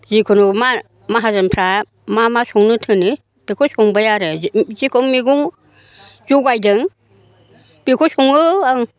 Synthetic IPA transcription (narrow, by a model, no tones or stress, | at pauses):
zikʰɔnuma | maɦazanpʰɾa | mamasɔŋnɯtʰɯnɯ | b̥ekʰɔsɔŋbajaɾɯzikʰɔŋmiɡuŋ | zɔɡajdɯŋ | b̥ekʰɔsɔŋɯaŋ